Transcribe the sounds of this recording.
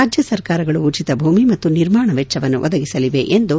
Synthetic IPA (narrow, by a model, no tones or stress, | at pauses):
aːd͡ʒjɐsɐɾkaːɾɐɡɐɭuːt͡ʃit̪ɐbʱuːmimɐt̪ːuniɾmaːɳɐʋɛt͡ʃːt͡ʃːɐʋɐnːṵʋʔɐ̰d̪ɐɡisɐliʋe̞ʔend̪u